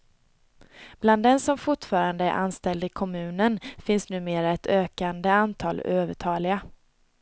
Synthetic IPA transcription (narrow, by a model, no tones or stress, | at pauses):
b̥land̪ːɛnsɔmfʊʈfɑːɾand̪əæ̰ʔa̰nst̪ɛld̪ɪkʰɔmʉ̟ːnənfɪnsnʉ̟ːmeːɾaɛt̪ʰøːkand̪əant̪ʰɑ̰ːløːvəʈʰɑːlɪɡa